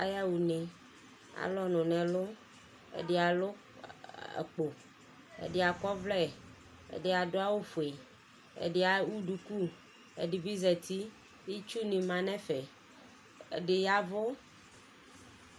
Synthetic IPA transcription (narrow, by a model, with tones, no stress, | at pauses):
a˦ja˦wu˨nẽ˨ | a̰˨lɔ˦nʊ̃˨nɛ̃˨lo˦ | ḛ˨de˨a˨lo˦ | ḛ˨k͡po˨ | ḛ˨ɖe˨a˨kɔ˦vlɛ˦˨ | ḛ˨de˨a˨do˦a˦wo˦fo˨e˨ | ḛ˨ɖe˦a˨wu˦ɖu˨ku˦ | ḛ˨ɖi˨bi˦zɛ˨t̪i˦ | i˦t͡ʃu˦nĩ˨mã˨nɛ̃˦fe˨ | ḛ˨ɖe˨ja˦vo˦